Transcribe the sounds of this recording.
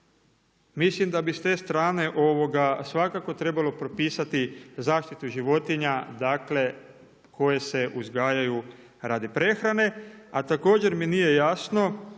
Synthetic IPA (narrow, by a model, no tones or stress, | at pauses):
mislimd̪abist̪e̞ːst̪ɾaːne̞ʔo̞ʋo̞ɡasʋakako̞t̪ɾe̞balo̞pɾo̞piːsat̪izaːʃt̪it̪uʒiʋo̞t̪iɲad̪aːkle̞ | kʰo̞je̞se̞ʔuzɡaːjaju | ɾaːd̪ipɾe̞xɾane̞at̪ako̞ːd͡ʑe̞ɾminije̞jaːsno̞